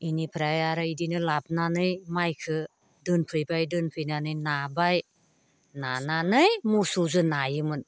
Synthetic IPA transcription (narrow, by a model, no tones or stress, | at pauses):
inipʰɾajaɾaidinɯlap̚nanɯjmajkʰɯ | dɯnpʰɯjbajdɯnpʰɯjnanɯjnabaj | nananɯjmusuzɯnajɯmɯn